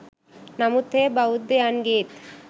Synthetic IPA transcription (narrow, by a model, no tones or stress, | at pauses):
namut̪ʰːebaud̪ːejanɡet̪